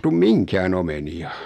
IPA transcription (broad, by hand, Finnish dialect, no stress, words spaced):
tum miŋkæːn omeniɑ